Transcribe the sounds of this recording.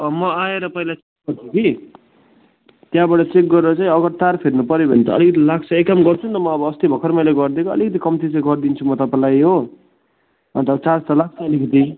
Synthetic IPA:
ʌmʌaeɾʌpʌilat͡sek̚ɡʌrt͡sʰʌki | t̪jãbaʈʌt͡sek̚ɡʌɾeɾʌt͡saj̃ʌɡʌɾt̪arpʰirnupʌɾjobʱʌ̰nt̪ʌ̰ʌ̰likʌt̪̬ilak̚t͡sʰʌekːamɡʌrt͡sʰũnt̪ʌmʌʌbʌːst̪ibʱʌkʰʌɾmajleɡʌrd̪ekʰoʌ̰likʌt̪̬ikʌmt̪it͡sãɡʌrd̪int͡sʰumʌt̪ʌpãlajɦo | ʌ̰nt̪ʌbt͡sart͡sʰʌlak̚ʰt͡sʰʌʌlikʌt̪i

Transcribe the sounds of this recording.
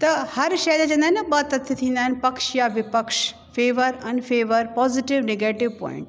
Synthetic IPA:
t̪ɐhɐɾʃɐjd̪et͡ɕɐ̃nd̪aɦɪnɐbat̪ːɐt̪ʰɐt̪ʰĩːnd̪aːɦɪnpɐkʃjaʋɪpɐkʃ | feːʋəɾɐnfeːʋəɾpɔːzɪʈɪʋneɡeːʈɪʋpɔ̰̃ːɪ̰̃ɳʈ

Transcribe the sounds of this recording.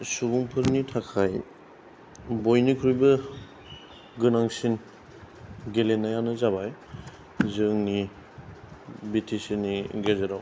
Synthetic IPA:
suɡuŋpʰɯɾnitʰakʰaj | bojnikʰɾujbɯ | ɡɯnaŋsin | ɡelenajanɯzaβaj | zɯŋni | bitʰisiniɡezɯɾaw

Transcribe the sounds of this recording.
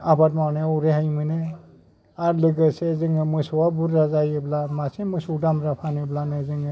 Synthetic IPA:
abatmawneɔwɾeɦajmɯnɯ | aɾlɯɡɯsezɯŋɯmɯjsɔwabuɾːazajɯblamasimɯsudamɾapʰanɯblanɯzɯŋɯ

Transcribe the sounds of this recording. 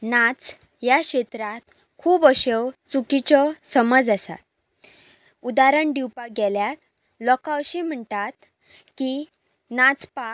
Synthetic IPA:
nat͡s | jakɕet̪ɾat̪ | kʰuːbəɕewt͡sukit͡ɕɔsəməd͡zasa̰t̪̚ | ud̪aɾəɳɖiwpaɡɛljat̪ | lɔkãəɕim̤əɳʈ̪at̪ | ki | nat͡spa

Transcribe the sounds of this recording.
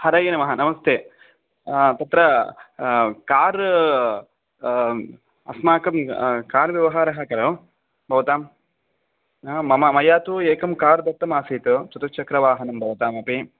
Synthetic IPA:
hɐɾɐjenɐmɐɦɐnɐmɐst̪ʰeː | t̪ɐt̪ɾɐ | kaːɾ | ɐ̰smaːkɐmkaːɾʋjɐʋɐɦaːɾɐɦɐkɐɾɐ | bʱɐʋɐt̪aːm | ɐmɐmɐjaːt̪ueːkɐmkaːɾd̪ɐt̪ːɐmaːsiːt̪ut͡ʃ̪ut̪ɐt͡ʃɐkɾɐʋaːɦɐnɐmbʱɐʋɐt̪aːmɐpi

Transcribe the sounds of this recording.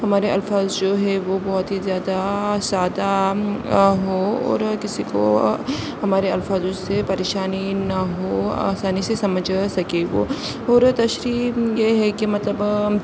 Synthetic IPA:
ɦɐmaːɾeɐlfaːzd͡ʒoːɦɛʋobɔɦʊt̪ɦizjaːd̪asaːd̪a | ɦoɔ̰ːɾkɪsiko̰ | hɐmaːɾeɐlfaːzʊsepɐɾeːʃaːninɐɦoa̰ːsaːnisesɐməd͡ʒʱsɐkeʋo̰ | ɔːɾt̪ɐʃɾiːjeɦɛkemɐt̪ləb

